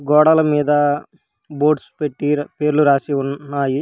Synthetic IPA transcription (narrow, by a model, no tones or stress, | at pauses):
ɡɔːɽɐlɐmiːd̪ɐ | boːɖspeʈːipe̞ːɾuluɾaːsiunːaːji